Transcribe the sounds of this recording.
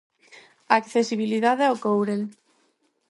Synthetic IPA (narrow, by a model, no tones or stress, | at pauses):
akθesiβiliðaðaowkowɾel